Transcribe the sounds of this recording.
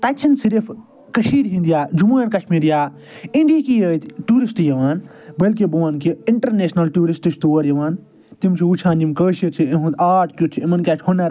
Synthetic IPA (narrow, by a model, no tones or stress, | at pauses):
t̪ɐkt͡ʃʰɐnsiɾif | kɐʃiːɽɦĩnd̪ijaːd͡ʒumuːjɐnkɐʃmiːɾjaː | iɳɖiːkijəːt̪ʈuːɾisʈjɐʋaːnbəlkibuʋaːnkiiɳʈɐɾneːsnɐlʈuːɾisʈit͡ʃʰt̪oːɐɾjɐʋaːn | t̪imt͡ʃʰiut͡ʃʰãːnimkəːʃɐt͡ʃʰieɦut̪aːʈʰkʲjut͡ʃʰiimɐnkʲaːt͡ʃʰhonɐɾ